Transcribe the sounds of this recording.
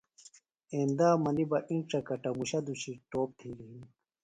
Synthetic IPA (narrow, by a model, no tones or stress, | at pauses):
eːnd̪aːmɐnibɐʔĩɳʈ͡ʂɐkɐʈɐmuɕɐd̪uɕiʈoːp̚t̪ʰiːɾiɦin